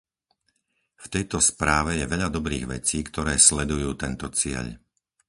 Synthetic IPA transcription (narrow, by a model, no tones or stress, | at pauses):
ft̪ɛjt̪ɔspɾaːʋɛjɛʋɛʎad̪ɔbɾḭːɣʋɛ̰t͡siːkt̪ɔɾɛːslɛd̪ujuːt̪ɛnt̪ɔt͡sɪɛ̰ʎ